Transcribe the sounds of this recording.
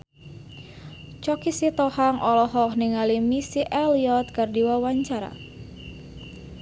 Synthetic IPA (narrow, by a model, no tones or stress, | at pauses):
t͡ʃɔkisit̪ɔhaŋɔlɔɦɔhniŋalimisiʔɛliɔt̪̚kərdiwawaɲt͡ʃaɾa̰